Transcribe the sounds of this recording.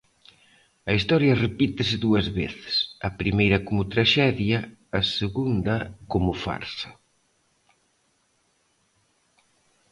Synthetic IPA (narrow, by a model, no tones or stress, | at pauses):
ɐist̪ɔɾjɐrepit̪ɪsɪðuɐzβeθɪ̥sɐpɾimejɾɐkomʊt̪ɾaʃɛðjɐːseɣund̪ɐkomʊfa̰ɾsɐ